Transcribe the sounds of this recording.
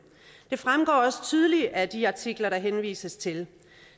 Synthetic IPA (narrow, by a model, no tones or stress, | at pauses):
d̥e̝fʁamɡ̥ɒ̰ːɒ̽sə̥t͡sʰyð̞ˠliæd̥iɑ̈t͡sʰiɡ̥lɐɾɑ̈ɦenʋḭːsəst͡sʰe̝l